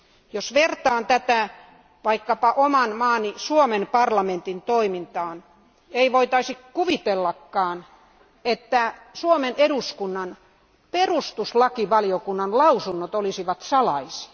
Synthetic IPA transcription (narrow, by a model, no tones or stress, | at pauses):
josʋert̪ɑːnt̪æt̪æ | ʋɑikːɑpɑʔomɑnmɑːnisuomenpɑrlɑment̪int̪oimint̪ɑːn | eiʋoit̪ɑisikkuʋit̪elːɑkːɑːn | et̪ːæsuomeneduskunːɑn | perust̪uslɑkiʋɑliokunːɑnlɑusunːot̪olisiʋɑt̪sɑlɑisi̥